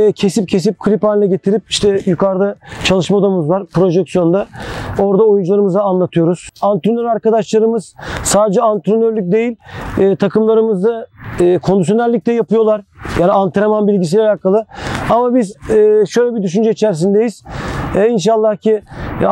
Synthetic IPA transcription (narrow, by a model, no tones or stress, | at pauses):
cʰe̞sip̚cʰe̞s̬ip̚kʰɯɾʲipaːnʲlʲɛɟe̞t̪ʰiɾip̚iʃt̪ʰɛjukʰaɾlˠɯt͡ʃʰalˠɯʃmaod̪amɯzvaɾpʰɾo̞ʒɛksijo̞nd̪ao̞ɾd̪aojund͡ʒulˠaɾɯmɯzaːnlˠat̪ʰɯjo̞ɾuz̥ant̪ɾonøɾaɾkad̪aʃlˠaɾɯmɯz̥saːd̪ed͡ʒɛant̪ɾonøɾlʲyc̚d̪e̞jilʲːt̪ʰakʰɯmlˠaɾɯmɯzd̪aːkʰond̪usjo̞nælʲːic̚ʲt̪ɛjapʰɯjo̞lˠaɾjaːniant̪ʰeɾemanbilʲɟis̬ilʲalʲaːkʰalˠɯamabizːʃøjlʲɛbid̪yʃynd͡ʒɛit͡ʃʰæɾs̬ind̪ejiz̥ɛinʃalˠːahcʰi